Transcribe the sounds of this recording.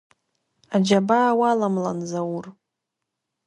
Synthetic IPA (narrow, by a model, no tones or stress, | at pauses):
ad͡ʒabaːwalamlanzawur